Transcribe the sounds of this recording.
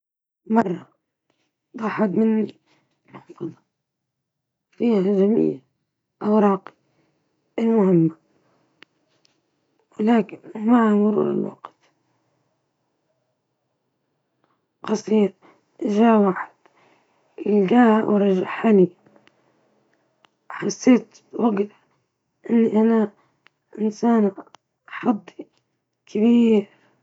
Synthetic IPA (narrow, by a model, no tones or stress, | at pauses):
mɑrˤːɑ | d̪ˤɑħɑd̪mɪnːi | mʊħfɑd̪ˤɑ | fiːhaʒamḭːl | ʔawɾˤɑːqi̥ | ʔɪlmʊhɪmːa | wɪlaːkɪnmaʕamʊɾṵːɾɪ̰lwɑ̰qt̪ | qɑsˤiːɾ | ʔʒaːwaːħɪd̪̥ | ʔɪlɡaːwɾˤɑʒaħani | ħasːeːt̪ | wɑɡt̪ | ʔɪnːiʔana | ʔɪnsaːn | ħɑd̪ˤːi̥ | kʰabiːɾ